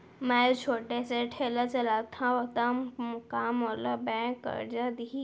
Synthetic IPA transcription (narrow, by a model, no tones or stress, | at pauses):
mɛ̃t͡ʃʰoːʈeseʈʰeːlat͡ʃɐlaːt̪ʰãot̪ammʊkaːmolabɛ̃ːkːə̰ɾd͡ʒad̪ii